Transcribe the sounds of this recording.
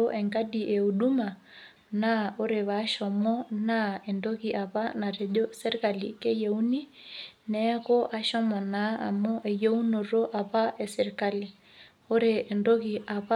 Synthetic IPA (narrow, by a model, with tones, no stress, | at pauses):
o˦ʔɛ˨ŋɡa˦ɗi˨ʔe˨u˨ɗu˦ma˨ | na˦o˦ɾe˨βa˨˦ʃɔ˨mɔ˦na˦ɛ˨ndo˦ɣi˨ʔa˨pa˦na˨ɾe˨ʄo˦sɛ˦ɾi˦ka˨lḭ˨ke˦je˨u˦ni˦nɛɣo˦ʔa˦ʃɔ˦mɔ˨na˨˦a̰˨mo˦ʔɛ˨je˦u˦no˨ɾo˦ʔa˨pa˦ʔɛ˨se˨ɾka˦li˨ | o˦ɾeː˨ndo˦ɣi˨ʔa˨βa˦